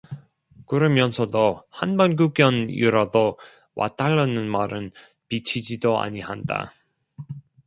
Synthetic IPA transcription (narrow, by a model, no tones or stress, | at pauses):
kɯɾʌmjʌnsʰʌdohanbanɡuɡjʌnjṵɾado | wʔa̰t͈aɭːʌnɯnmaɾɯn | pit͡ɕʰid͡ʑidoa̰ɲiɦanda̰